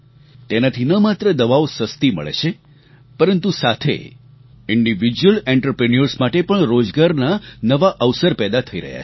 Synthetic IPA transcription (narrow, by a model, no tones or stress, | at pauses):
t̪enat̪ʰinəmat̪ɾəd̪əʋaʋosəst̪imə̰ɭḛt͡ʃʰe | pəɾənt̪usat̪ʰḛ | ɪɳɖiʋid͡ʒuəleɳʈəɾpɾeniəɾsmaʈepəɳɾod͡ʒɡaɾnanəʋaʔəʋsəɾpɛd̪at̪ʰəiɾə̰ɦja̰